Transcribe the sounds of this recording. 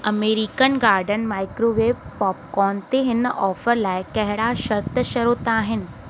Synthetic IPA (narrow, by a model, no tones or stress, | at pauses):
ɐmeːɾikənɡaːɾɖənmaːɪkɾoʋeːʋpɔːp̚kɔːnt̪eɦɪnɔːfəɾlaːɪkɐɦɪɽaʃɐɾt̪əʃɐɾuːt̪aːɦɪnɪ̆